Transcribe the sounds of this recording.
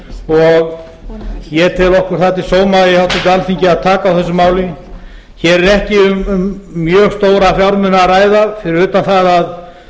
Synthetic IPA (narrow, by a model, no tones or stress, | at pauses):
ɔɣ | jɛt̪ʰɪlɔhkʏɾ̥θat̪ɪsoːwmajɛhawht̪ʏnt̪ɪalfiɲcɪaðt̪ʰaːkaawθɛsːʏmaːwlɪ | çɛːɾɛɾɛhcɪʏmmːjœːɣst̪oːwɾafjawɾmʏnaraːjðafɪɾɪɾʏːt̪anθaðað